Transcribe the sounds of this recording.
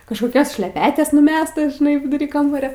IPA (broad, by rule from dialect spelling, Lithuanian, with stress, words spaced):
kɐʃkoːˈkʲoːs ʃʲlʲɛˈpʲæːtʲɛs nʊˈmʲæːstɐs ʒʲɪˈnɐɪ ʋʲɪdʊˈrʲiː ˈkɐmbɐrʲoː